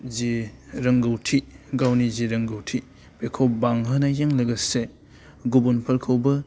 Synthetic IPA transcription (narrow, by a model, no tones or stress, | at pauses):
ziɾɐŋɡɐwtʰiɡawniziɾɐŋɡɐwtʰi | bekʰowbaŋɦɯnɐjeŋlɐɡɐse | ɡubunpʰɐɾkʰɐwbɐ